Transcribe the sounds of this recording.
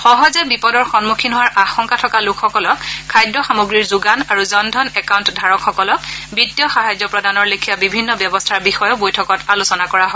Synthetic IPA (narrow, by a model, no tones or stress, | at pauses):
xɔɦɔzɛbipɔdɔɹxɔnmukʰinɦʊwaɹʔaxɔŋkatʰɔkalʊkʰxɔkɔlɔkʰːajdɹɔxamoɡɹiɹzuɡanaɹuzɔndʱɔnɛkawntdʱaɹɔkʰxɔkɔlɔkbitːjɔxaɦajzɔpɹɔdanɔɹlikʰijabibʱinːɔbjɔbɔstʰaɹbixɔjɔbojtʰɔkɔtalusɔnakɔɹaɦɔ